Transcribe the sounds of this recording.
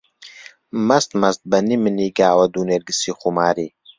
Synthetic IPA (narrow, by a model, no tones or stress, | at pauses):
mɐst̪mɐst̪̚bɐnimɨniːɡaːwɐd̪uːneːɾɡɨsiːxumaːɾiː